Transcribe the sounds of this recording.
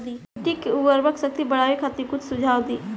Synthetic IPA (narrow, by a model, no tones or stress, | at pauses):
d̪iːʈikʊʋəɾbəksək̚t̪ibɐɽaːʋikʰat̪ikʊt͡ʃʰsʊd͡ʒʱaːʋd̪iː